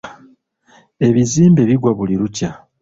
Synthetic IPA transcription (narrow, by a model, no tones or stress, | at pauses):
e̞βiziːmbe̞βiɡwaβuliɾuca